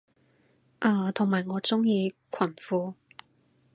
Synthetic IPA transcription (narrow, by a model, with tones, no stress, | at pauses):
ʔaː˨˩t̪ʰʊ˨ŋmaː˨jŋɔː˨˧t͡sʊ˥ŋjiː˧kʰɐ˨˩nfuː˧